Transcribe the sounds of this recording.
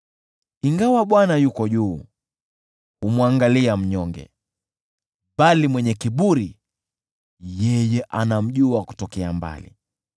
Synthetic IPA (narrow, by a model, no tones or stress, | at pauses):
iŋɡawaɓwanajukɔʄuː | umwaŋɡaliam̩ɲɔŋɡɛ̰ | balimwɛɲɛkiɓuɾi | jɛjɛʔanam̩ʄuaku̥tɔkɛamba̰lḭ